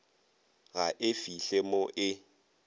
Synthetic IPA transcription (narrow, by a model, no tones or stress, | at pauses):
ɣaʔɪfiɬemoʔɪ